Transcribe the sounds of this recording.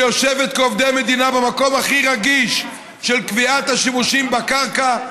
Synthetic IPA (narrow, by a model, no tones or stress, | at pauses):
joʃevet̪̚keovd̪eamed̪inabemako̞maχiʁaɡiʃ | ʃelkviat̪haʃimuʃimbakaʁka